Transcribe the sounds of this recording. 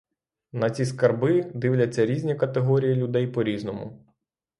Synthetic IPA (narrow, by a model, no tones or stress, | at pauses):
nɐt͡sʲiskɐrbɪd̪ɪwlʲɐt͡sʲːɐɾʲizʲnʲikɐt̪eɦɔɾʲijilʲʊd̪ɛjpɔɾʲiznɔmʊ̰